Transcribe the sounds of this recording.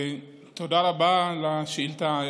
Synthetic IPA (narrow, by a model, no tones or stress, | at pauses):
t̪odaɾabalaʃilt̪a